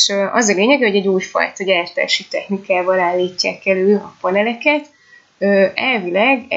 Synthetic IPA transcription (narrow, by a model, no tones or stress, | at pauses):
ʃøʔɒzɒleːɲɛɡɛho̞ɟɛɟuːjfɒ̰jt̪ɒɟaːrt̪a̰ːʃit̪ɛxnikaːvɒlaːlːiːcːa̰ːkɛløːlɒpɒnɛlɛkɛt̪ | øːɛlvilɛɡɛ